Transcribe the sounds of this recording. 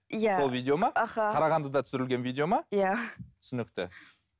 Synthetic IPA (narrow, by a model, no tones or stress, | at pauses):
jaso̞lˠvijd̪ʲeo̞mɑɑχɑɑɾɑʁɑnd̪əd̪ɑt̪ʰʏ̥sɪɾɪlɡʲe̞nvijd̪ʲeo̞mɑjat̪ʰʏ̥sʏnɪk̚t̪ɪ̰